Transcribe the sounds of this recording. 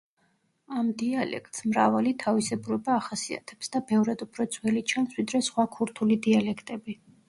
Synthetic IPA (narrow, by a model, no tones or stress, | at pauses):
amd̪ialɛ̰kʰt̪ʼsmɾavalit̪ʰavisɛbuɾɛbaːχasia̰t̪ʰɛpsd̪abɛvɾad̪upʰɾɔt̪sʰʼwɛlit͡ʃʰansvwid̪ɾɛsχwakʰuɾt̪ʰulid̪ialɛkʰt̪ʼɛbi